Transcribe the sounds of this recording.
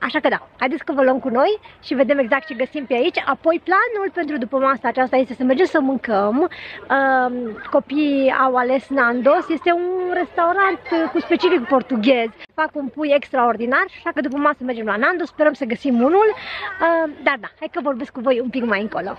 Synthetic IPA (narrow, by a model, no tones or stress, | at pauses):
a̰ʃakəd̪ahajd̪et̪sʲkəvəlwəmkuno̞jʃive̞d̪eme̞ɡzakt̪t͡ʃe̞ɡəsimpeait͡ʃʲapo̞jplanulpe̞nt̪ɾud̪upəmasaːt͡ʃast̪aje̞st̪e̞səme̞rd͡ʒe̞msəmɨŋkəməko̞pija̰wale̞snand̪o̞sje̞st̪e̞unre̞st̪auɾant̪kuspe̞t͡ʃifikpo̞rt̪uɡʲe̞zʲfakunpujekst̪ɾao̞rd̪inaraʃakəd̪upəmasəme̞rd͡ʒe̞mlanand̪ospe̞ɾəmsəɡəsimunuləd̪ard̪ahajd̪̚kəvo̞rbe̞skːuvo̞jumpikmajɨŋkolo̰